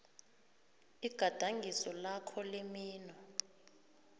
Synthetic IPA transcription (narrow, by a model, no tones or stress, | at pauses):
iɡ̥ʱad̥ʱaŋɡʱisɔlakʰɔlemiːnɔ